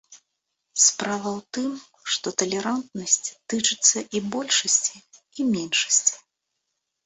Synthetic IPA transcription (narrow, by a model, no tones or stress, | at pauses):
spɾavɐwt̪ɨm | ʂt̪ɔt̪ɐlʲɛɾant̪̚nɐsʲt͡sʲt̪ɨt͡ʂɨt̪sːɐʔibɔlʲʂɐsʲt͡sʲi | imʲɛnʂɐ̥sʲt͡sʲ